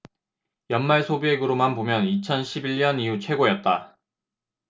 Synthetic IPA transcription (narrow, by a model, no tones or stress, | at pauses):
jʌnmaɭsʰobeɡɯɾomanpomjʌnit͡ɕʰʌnɕʰibiʎɲʌniut͡ɕʰwe̞ɡojʌt̚t͈a